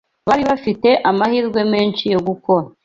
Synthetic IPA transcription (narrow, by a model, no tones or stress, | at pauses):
βaɾiβafite̞ʔamahiːɾɡwe̞me̞ːnt͡ʃijo̞ɡuko̞ɾa